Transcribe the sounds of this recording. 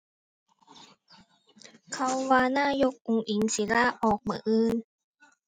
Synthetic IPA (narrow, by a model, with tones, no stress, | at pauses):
kʰa˧wwaː˧naː˥˩˨jo˦˥k̚ʔu˧ŋʔi˨˩˦ŋsi˨˦laː˧˥˩ʔɔː˨˩k̚mɯ˨˦ʔɯː˧˩n